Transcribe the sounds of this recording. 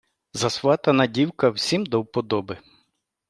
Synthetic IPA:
zɐsʋɑt̪ɐnɐdʲiwkɐwsʲimd̪ɔwpɔd̪ɔbɪ

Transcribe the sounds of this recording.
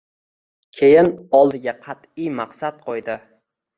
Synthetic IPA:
kʲʰe̞jɪnɒlˠd̪ɪɡʲaqʰɑt̪ɪjmɑqsadt̪̚qʰojd̪ɪ

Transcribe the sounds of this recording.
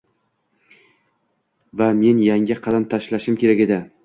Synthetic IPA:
vame̞njaŋʲɪqʰɑd̪amt̪ʰaʃlaʃɪmkʲʰeɾakʲed̪ɪ

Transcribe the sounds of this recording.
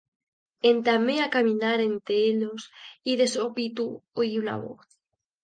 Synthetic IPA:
ent̪ameakamĩnaɾent̪eelosiðe̞sopit̪uoiuna̰βo̰θ

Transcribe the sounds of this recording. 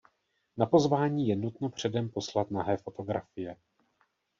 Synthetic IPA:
napo̞zvaːɲiːjɛnut̪no̞pr̝̥ɛdɛmpo̞slat̪naɦɛːfo̞t̪o̞ɡɾa̰fɪjɛ

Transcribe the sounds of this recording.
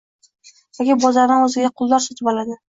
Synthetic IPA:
jɒkʲɪbɒzaɾnɪɵzɪɡʲaqʰʊlˠd̪ɒɾsɒt̪ʰɪpɒlad̪ɪ

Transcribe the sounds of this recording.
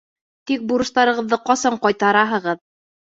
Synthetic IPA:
t̪ik̚buɾɤ̆ʃt̪ɑɾɤ̆ʁɤ̆ðːɤqɒsɑɴqɒjt̪ɑɾɑɦɤ̆ʁɤð

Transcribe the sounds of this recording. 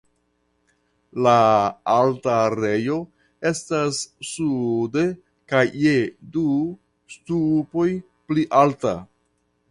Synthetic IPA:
laaltaɾe̞jo̞ | e̞stasːude̞ | kajːedu | stupo̞j | pliʔalta̰

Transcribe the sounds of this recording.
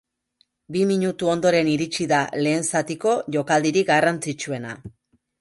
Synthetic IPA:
bimiɲut̪uo̞nd̪o̞ɾe̞niɾit͡ʃiðale̞ːnsat̪iko̞ʝo̞kald̪iɾiɡarant͡sit͡ʃue̞na

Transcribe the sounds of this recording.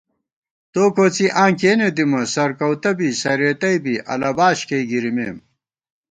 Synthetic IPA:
t̪oːkoːt͡siʔãːŋkeːned̪imɐsɐɾkɐwt̪ɐbisɐɾeːt̪ɐijbiʔɐ̰lɐbaːɕkɐjɡiɾimeːm

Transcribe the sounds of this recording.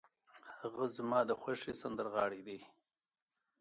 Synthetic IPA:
hhaɣazmɑːd̪əxʷwaʂisand̪əɾɣɑːɽid̪i

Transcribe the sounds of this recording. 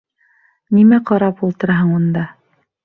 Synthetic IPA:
nimæqɑɾɑpulˠt̪ɤ̆ɾɑɦɤɴund̪ɑ

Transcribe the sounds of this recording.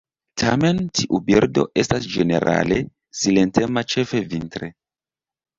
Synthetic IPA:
tʰa̰me̞ntʰiʔubiɾdo̞̰ʔe̞stasd͡ʒene̞̰ɾʔa̰le̞ | silentemat͡ʃe̞fevintɾe

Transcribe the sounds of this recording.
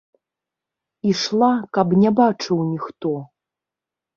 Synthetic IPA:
iʂlˠakapnʲɛbat͡ʂɨwnʲixt̪ɔ

